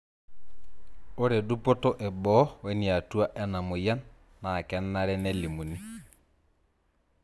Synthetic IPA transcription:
o˦ɾe˨du˦pɔ˦tɔ˦ʔɛ˨bɔ˦wɛ˦ni˨a˨tu˦a˦ʔɛ˦na˨mo˨ja˦nː | a˨kɛ˦nːa˦ɾɛ˦nɛ˦li˨mu˨ni˦

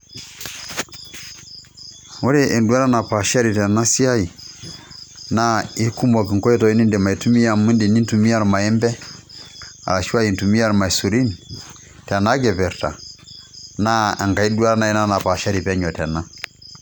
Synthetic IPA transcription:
o˦ɾɛ˦ʔɛ˨ndwa˦ɾa˦na˨pa˨ʃa˦ɾi˨tɛ˨na˦si˦a˦i˨ | na˦i˦ku˦mbɔ˨k̬i˨ŋkɔ˦ɛ˦tɔ˨i˦ni˦ndɛ˨ma˨i˨tu˦mi˦a˨mu˦ndi˨ni˦ntu˨mi˦a˦ɾma˨ɛ˦mbɛ˦ | a̰˨la˨ʃi˦wa˦i˨ntu˨mi˦a˦ɾma˨i˨su˨ɾi˦ni | tɛ˨na˦ɡɛ˨pɛ˨ɾta̰˨ | na˦a˨ŋka˨i˦du˦a˦ɾa˦na˦i˦na˦na˨pa˨ʃa˦ɾi˨pɛ˦ɲɔ˨tɛ˨na˦

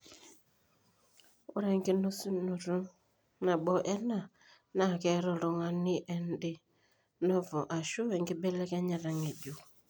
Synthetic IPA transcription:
o˦ɾɛ˦ŋɡe˦nu˦su˦nu˨ɾu˦ | na˨ɓɔ˦ʔɛ˦na˦˨ | na˦˨kɛ˦ɾɔ˨ɾɔ˨ŋa˨nɪ˦ʔɛ˦ndɪ˦ | nɔ˦vɔ˨ʔa˨ʃu˦wɛ˨ŋɡɪ˦bɛ˦lɛ˦kɛ˦ɲa˨ɾa˨ŋe˨d͡ʒu˨

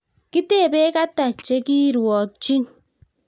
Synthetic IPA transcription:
ki˦te˦˨be˦ka˦ta˨t͡ʃe˦ki˦ɾu˨ɔ˨t͡ʃi˦n

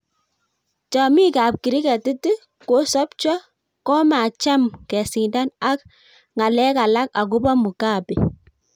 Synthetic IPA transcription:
t͡ʃɔ˨mi˦ka˨p̚ki˨ɾi˦kɛ˨tɪ˦tu˦ | ko˦sɔ˦p̚t͡ʃɔ˦ | kɔ˦ma˨t͡ʃa˦mkɛ˨si˨nda˦na˦k | ŋa˨lɛ˦ka˨la˦ka˨k̬u˦bɔ˦mu˨ka˦˨pi˨

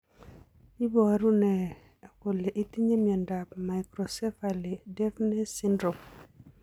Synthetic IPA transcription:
i˦bɔ˨˦ɾu˦nɛ˨ | a˨ko˨le˨ʔi˦t̪i˦ɲe˦mi˨a˨nda˨pma˨jkɾo˨sɛ˦fa˨le˨dɛ˦fnɛ˦sɪ˦ndɾo˨m

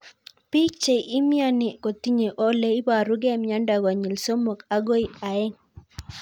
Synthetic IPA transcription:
pi˦kt͡ʃe˨ʔi˦mi˦a˦nɪ˨ko˨t̪i˦ɲe˨ʔo˦le˦i˦ba˨ɾu˦ɡɛ˦mja˦nda˨ɡa˨ɲi˨lso˦mo˨ka˦ɡo˦i˦a˨ɛ˦ŋ

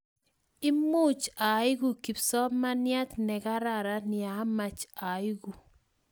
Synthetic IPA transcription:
ɪ˦mu˦t͡ʃa˨ɪ˦ɡu˨ki˨psɔ˦ma˦nja˦t̪nɛ˨ka˦ɾa˨ɾa˦nɪ˨a˨˦ma˨t͡ʃa˨ɪ˦ɡu˨

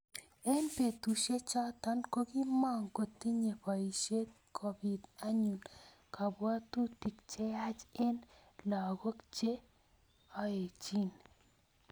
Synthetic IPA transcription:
e˦npe˨t̪u˨ʃe˦t͡ʃɔ˦t̪ɔ˦nko˦ki˦mɔ˦ŋko˨t̪i˦ɲe˨pa˨i˨ʃe˦t̪̚ | kʰo˨bi˨da˦ɲu˨n | kʰa˨bwa˦t̪u˦t̪i˨kt͡ʃe˦a˦t͡ʃe˦nla˨ɡo˦kt͡ʃe˦ | ɔ˦e˨t͡ʃi˦n

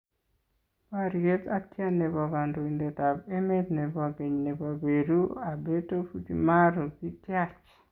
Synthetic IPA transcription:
paɾie˦tatja˦ne˨bɔ˨ɡa˨ndo˨i˨nde˨ta˨be˦me˦dne˨ba˨ɡe˨ɲne˨ba˨be˨ɾu˦a˨be˦to˦fu˦d͡ʒima˦ɾo˨ɡi˦tja˦t͡ʃ

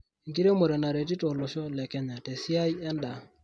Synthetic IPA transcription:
ŋki˦ɾe˦mo˨ɾɛ˨na˨ɾe˨t̬i˦tɔ˨lo˨ʃɔ˦lɛ˨kɛ˦ɲa˨tɛ˨si˦a˦i˦ɛ˦nda˨

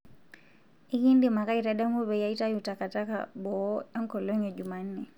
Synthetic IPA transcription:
i˦ki˦n˦di˦ma˨ka˦i˨ɾa˦ɗa˦mu˦βɛ˨ja˦i˦ta˦ju˨ta˨ka˨ta˦ka̰ɓɔ˨˦a˦ŋ̩˦kɔ˨lɔ˦ɲɛ˨d͡ʒu˨ma˨n̩˦nɛ˨

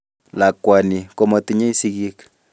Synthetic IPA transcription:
la˨kwa˨ni˨ko˦mɔ˨t̪i˦ɲe˦i˦si˦ɣi˦k

